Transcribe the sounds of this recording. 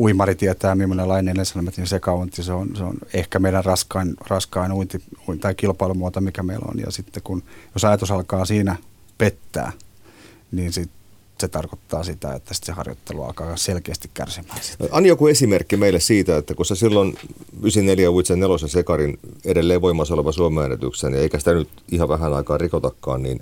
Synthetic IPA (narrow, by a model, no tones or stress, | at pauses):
uimɑrit̪iɛt̪æːmimːonelɑinelensɑnomæt̪ninsekɑunt̪iseonseo̰nehkæmeidærrɑskɑinrɑskɑinuint̪iuint̪ɑikilpɑilumuot̪omikæmḛilo̰njɑ̰sit̪ːekunjosɑjɑt̪usɑlkɑːsiːnæ | pet̪ːæ̰ː | niːnsit̪ | set̪ɑrkot̪ːɑːsit̪æ̰ḛt̪ːæsi̥t̪sehɑ̰rjo̰t̪ːeluɑ̰lkɑːselkeːst̪ikkæ̰rsimæːsi̥ɑnːjokuesimerkːimeilːˑessiːt̪æet̪ːækusesilːonysinneljæuit̪sennelosɑsekɑrineɾelːeːʋʋoimːˑɑsoleʋɑsuomeænḛt̪y̰ksenieikæsi̥t̪ænyt̪ihɑʋæɦænɑikɑːrrikot̪ɑkːɑ̰ːnnḭːn